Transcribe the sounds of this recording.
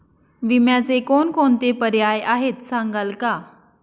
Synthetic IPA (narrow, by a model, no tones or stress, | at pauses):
ʋimjat͡sekonkont̪epəɾjajaɦet̪sãŋɡalka